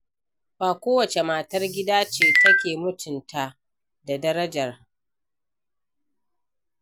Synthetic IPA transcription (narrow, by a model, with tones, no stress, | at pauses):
baː˨kʷoː˦wɐ˨t͡ʃe˨maː˨tɐ˦rɡʲɪ˦daː˦t͡ʃeː˨tɐ˦kʲeː˨mʊ˦tʊ˨ntʰa˨ | da˨dɐ˦ɾɐ˦d͡ʒɐ˨r